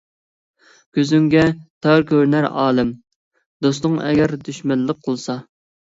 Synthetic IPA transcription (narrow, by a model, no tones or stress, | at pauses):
kʲʰøzyŋɡʲɛt̪ʰɑɾkʲʰøɾnæɾɑ̰ːlˠɪm | d̪ost̪ʊŋɛ̰ɡʲɛɾd̪yʃmɛlːəq̚qʰəlˠsɑ